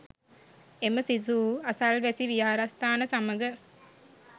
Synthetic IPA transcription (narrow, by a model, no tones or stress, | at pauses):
eməsizuːɐsɐlʋesiʋiaːɾɐst̪aːnəsaməɡə